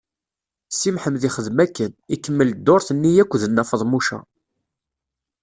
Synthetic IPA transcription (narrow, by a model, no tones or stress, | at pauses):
simħəmðiχəðmækːənikːəmːəld̪ːoɾθənːijækʷːðənːæfəðˤmuʃæ̰